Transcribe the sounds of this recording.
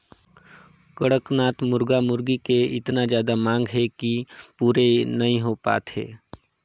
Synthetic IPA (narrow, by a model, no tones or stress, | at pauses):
kəɽəknaːt̪mʊɾɡamʊɾɡikeɪt̪nazjaːd̪amãːŋɡɦɛkipuːɾenɐɦĩɦopa̰ːt̪hḛː